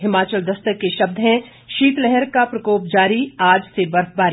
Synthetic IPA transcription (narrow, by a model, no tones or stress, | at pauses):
ɦɪmaːt͡ʃəld̪ɐst̪əkːeʃɐb̚d̪ʱɦɛ̃ | ʃiːt̪lɛɦɛɾkapɾɐkoːpd͡ʒaːɾiaːd͡ʒsebɐɾfbaːɾi